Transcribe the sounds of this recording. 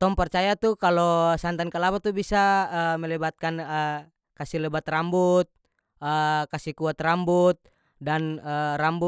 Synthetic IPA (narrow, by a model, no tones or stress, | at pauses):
t̪ɔmpɛrt͡ʃajat̪ukalɔsant̪ankalapat̪ubisaəmɛlɛbat̪̚kanə | kasilɛbat̪rambut̪̚ | əkasikuat̪rambut̪̚ | danərambu